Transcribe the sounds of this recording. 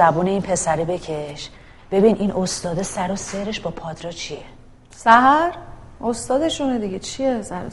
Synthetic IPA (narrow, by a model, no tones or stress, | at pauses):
æbuːne̞iːnpʰe̞sæɾiːbe̞cʰe̞ʃ | b̥e̞biːnʔinʔost̪ɒːd̪esæɾose̞ɾe̞ʃbɒːpʰɒːd̪ɾɒt͡ʃʰije | sæɦæɾ | ost̪ɒːd̪e̞ʃuned̪iɡet͡ʃʰijesæɾo